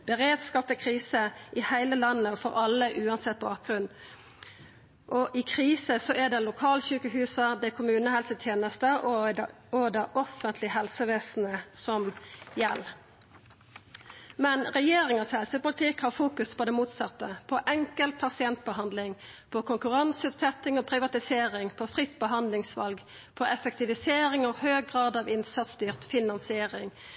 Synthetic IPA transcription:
b̥əʁeːd̪skɑːpəkʰʁiːsəʔɪhæɪləlɑnːəɔfɔɾɑlːəʔʉːɑnsɛt̪̚ːbɑːk̚ɡʁʉnː | ʔɔʔɪkʰʁiːsəsɔʔɛd̪ɛlʊkʰɑːlçʉːkəɦʉːsəd̪ɛkʰʊmʉːnəhɛlsət̪ʰjeːnəst̪əʔɔ | ɔd̪ɑʔɔfənt̪ʰlɪɦɛlsəʋeːsn̩əsɔmjɛlː | mɛnʁɛjeːʁɪŋəshɛlsəpʊlɪt̪ʰɪkhɑʁfuːkʉspʰɔd̪ɛmuːt̪sɑt̪ːəpʰɔʔɛŋkəlt̪̚pʰɑsɪɛnt̪̚bəhɑnd̪lɪŋpʰɔkʊŋkʉʁɑnsʉːt̪sɛt̪ɪŋɔːpʰʁɪʋɑt̪ɪseːʁɪŋpʰɔfʁɪt̪ːbəɦɑnd̪lɪŋsʋɑ̰lɡ | pʰɔʔɛfək̚t̪ʰɪʋɪseːʁɪŋɔhøːɡ̚ɡʁɑːd̪ɑʋɪnsɑt̪st̪yːʁt̪fɪnɑnsɪeːʁɪŋ

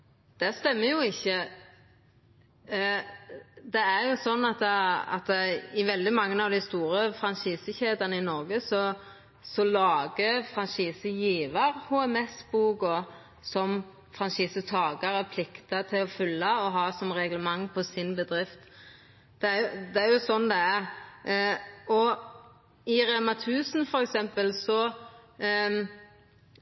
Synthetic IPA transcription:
d̪̥æʁst̪ɛmːəjʊɪçːə | d̪ɛæʁjʊsɔnːɑt̪ɑ̰t̪ɪʋɛld̪ɪmɑŋːəɑʋd̪ɪst̪uːɾəfɾɑnʃiːsəçeːd̪ɑnəɪnɔɾɡəsɔ | sɔlɑːɡəfʁɑnsiːsəjiːʋɑʁhuɛmɛsbuːɡɔ | sɔm | fɾɑnʃiːsət̪ʰɑːɡɑɾəpʰlɪkt̪ɑt̪ʰɪlɔfʏlːɑɔɦɑːsɔmɾɛɡləmɑŋːpʰɔsɪnbəd̪ɾɪft̪ | d̪̥ɛæjʊd̪ɛæɾjʊsɔnd̪ɛæʁ | ɔ | ɪɾɛmɑt̪ʰʉːsnfɔɾɛksɛmpəlsɔ

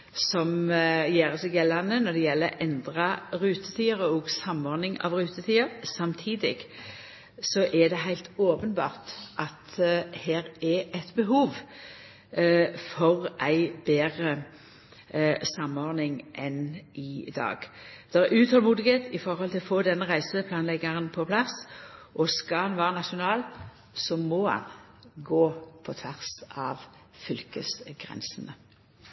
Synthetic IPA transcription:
sɔmjeːʁəsɛɡjɛlːɑnənɔd̪ɛjɛlːəʔɛnd̪ʁɑʁʉːt̪ət̪ʰiːəʁəɔːɡsɑmːɔʁnɪŋɑ̰ːʋʁʉːt̪ət̪ʰiːəɾsɑmt̪ʰiːd̪ɪɡ̥ | sɔʔɛd̪ɛɦæɪlt̪oːpənbɑːʁt̪ʔɑt̪heːɾɛæɪt̪bəɦuːʋ | fɔʁæɪbeːʁə | sɑmːɔːʁnɪŋʔɛnʔɪd̪ɑ̰ːɡ̥d̪̥ɛʁɛʉːt̪hɔlmuːd̪ɪɡet̪ɪfɔʁhɔlt̪ʰɪlɔfoːd̪ɛnːəʁæɪsəpʰlɑːnlɛɡːəʁənpʰɔpʰlɑsʔɔskɑhɑnʋæːʁənɑʃʊnɑːl | sɔmɔhɑ̰n | ɡoːpʰɔt̪ʰʋæʁsʔɑ̰ːʋfʏlkəsɡ̥ʁɛ̰nsənə

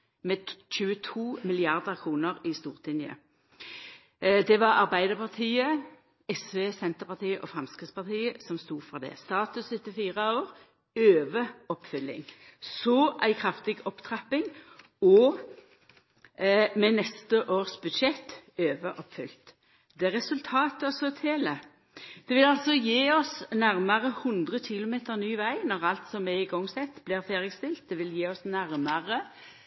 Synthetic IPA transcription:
mɛt͡ʃʉːət̪ʰuːmɪlɪɑʁd̪əkʰʁuːnəʁɪst̪uːʁt̪ʰɪnjə̰ | d̪ɛʋɑɑʁbæɪd̪əʁpɑʁt̪ʰiːə | ɛsʋeːsɛnt̪əpɑʁt̪ʰiːəʔɔfɾɛmskʁɪːt̪spɑt̪ʰiːəsɔmst̪uːfɔʁd̪ɛ̰ːst̪ɑːt̪ʉsʏt̪ːɪfiːʁəoːʁ | øːʋəɔpfʏlːɪ̰ŋsɔʔæɪkʰɾɑft̪ɪɡɔpt̪ʰʁɑpɪŋ | ɔ | mɛnɛst̪əʔoːʁsbʉd̪ʃɛt̪ːøːʋəʔɔpːfʏlt̪ | d̪̥ɛʁɛsʉlt̪ʰɑːt̪əɔsɔt̪ʰeːlə | d̪̥ɛʋɪlɑlsɔjiːɔsnæʁməʁəhʉnd̪ʁəçɪlʊmeːt̪əʁnyːʋæɪnɔʁɑlt̪sɔmʋɪɪɡɔŋːsɛt̪ːblɪːʁfeːʁɪst̪ɪlt̪̚d̪ɛʋɪljiːɔsnæʁməʁə

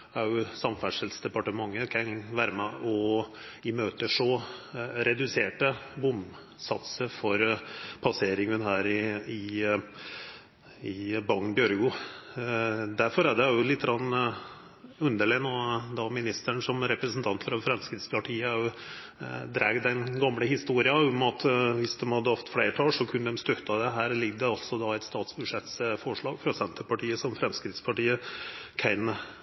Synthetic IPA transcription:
æɾjʊsɑmfæʂəlsd̪ɛpɑʈəmɑŋːəkʰɑnʋæːɾəmɛʔɔ | ɪmøːt̪əʂɔ | ɾɛd̪ʉseːʈəbʊm | sɑt̪səɾfɔɾpʰɑseːɾɪŋənɦæːɾɪɪ | ɪbɑŋbjœɾɡʊ | d̪æɾfɔɾæɖ̪ɛjʊlɪt̪ːəɡɾɑnː | ʉnd̪əɭeːnɔd̪ɑmɪnɪst̪əɳʂɔmɾɛpɾəsnt̪ʰɑnt̪fɾɑfɾɛmskɾɪd̪spʰɑʈʰiːəæɾjʊ | d̪ɾæːɡd̪ɛnɡɑmːləhɪst̪uːɾɪɑʊmɑt̪ʋɪsd̪ɛmhɑd̪ːəhɑft̪fleːʈʰɑːlʂɔkʰʉnːəd̪ɛmst̪œt̪ːɑd̪ɛɦæːɾlɪɡ̚d̪ɛɑlsɔd̪ɑæɪt̪st̪ɑːt̪sbʉd̪ʂɛt̪sfɔʂɭɑːɡfɾɑsɛnt̪əɾpɑʈiːəsɔmfɾɛmskɾɪd̪spʰɑʈiːəkʰæɪnə

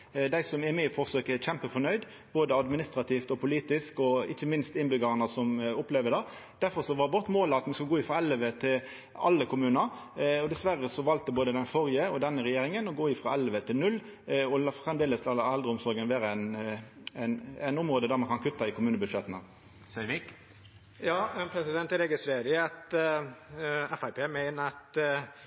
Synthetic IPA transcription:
d̪æɪsɔmɛmefɔʁsøːkəɛçɛmpəfɔnœʏd̪ | boːd̪əɑd̪mɪnɪst̪ɾɑt̪ʰiːft̪ɔpʰʊliːt̪ɪskɔɪ̰çːəmɪnst̪ɪnbʏɡɑʁɑnəsɔmʊpleːʋəd̪ɛ | d̪̥æʁfɔʁsɔʋɑbʊʁt̪ːmoːlɑt̪mɛnskɑlɡoːɪfʁɑɛlːʋət̪ʰɪl | ɑ̰lːəkʊmʉːnəɾ | ɔd̪ɛsʋæɾəsɔʋɑlt̪əboːd̪əd̪ɛnfɔʁjəɔd̪ɛnːəʁɛjeːʁɪŋənɔɡoːɪfɾɑɛlʋət̪ʰɪlnʉlː | ɔlɑfʁɛmd̪eːləsɑlɛld̪ɾəʊmsɔɾɡənʋeːɾəæɪn | æɪnæɪnʊmʁoːd̪əd̪æʁmɑnkʰɑnkʰʉt̪ːɑɪkʊmʉːnəbʉdʂɛt̪ːənə | sœʋɪk | jɑːpʰɾɛsɪd̪ɛnt̪ɛɾeːɡəsʋeːɾəɑt̪ | ɛfæɪpʰeːmæɪnəɑt̪

